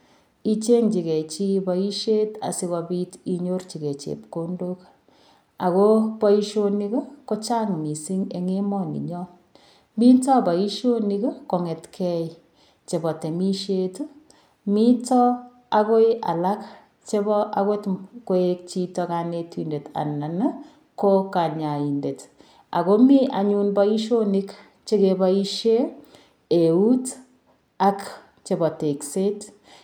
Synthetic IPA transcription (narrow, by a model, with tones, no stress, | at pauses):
i˦t͡ʃe˦ŋt͡ʃi˨kɛ˨t͡ʃi˦bɔ˨i˦ʃe˦ta̰˨si˧kɔ˨bi˦tiɲo˦rt͡ʃi˨ke˨t͡ʃḛ˨pko˦ndo˦k | a˨ko˦pɔ˦i˦ʃo˦ni˦kɔ˦ko˦t͡ʃa˦ŋmi˨si˦ŋe˨ŋe˦mɔ˨nḭ˨ɲɔ˦ | mi˦tɔ˦bɔ˨i˦ʃo˦nikɔ˦ko˨ŋɛ˨tkʰɛ | t͡ʃe˨bɔ˨te˨mi˦ʃe˦t | mi˦tɔ | a˦ko˦jʔa̰˨la˦k | t͡ʃe˦bɔa˦ko˦tko˦ek̚t͡ʃi˦tɔka˨netwinde˨ta̰˨na˨n | koka˨ɲa˨i˨nde˨t | a̰˨ko˦mi˦ʔa˨ɲu˦nba˦i˦ʃo˦nik | t͡ʃe˦keba˦iʃe˦ | e˨u˦t | a˦k | t͡ʃe˨bɔ˨te˨kse˦t